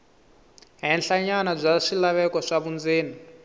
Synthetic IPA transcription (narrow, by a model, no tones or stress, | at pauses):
ɦɛnɬaɲanab͡ʐʷaʂilaβɛkɔʂaβund͡zeːni